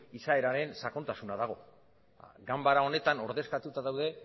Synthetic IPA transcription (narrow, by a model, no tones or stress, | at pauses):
isae̞ɾaɾe̞nsako̞nt̪asunaðaɣ̞o̞̰ | ɡambaɾao̞ne̞t̪ano̞ɾðe̞skat̪ut̪aðawðe̞